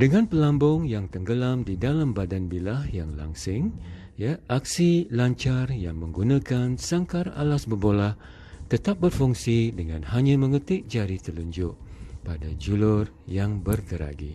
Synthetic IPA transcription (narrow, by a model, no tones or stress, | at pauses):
dəŋãnpəlambʊŋjaŋt̪əŋɡəlamdidalambadanbilahjaŋla̰ŋsɪŋ | jaʔak̚silaɲt͡ʃarjaŋməŋɡunãkansaŋkara̰lasbərbolah | t̪ət̪ap̚bərfuŋsidəŋãnhaɲãmə̃ŋət̪ɪʔ̚d͡ʒaɾit̪əluɲd͡ʒʊʔpadad͡ʒulʊr | jaŋbərkəɾa̰ɡḭ